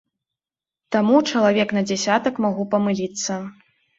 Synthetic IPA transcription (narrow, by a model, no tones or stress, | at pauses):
t̪amut͡ʂɐlˠavʲɛknɐd͡zʲasʲat̪ɐkmaɣupɐmɨlʲit̪sːɐ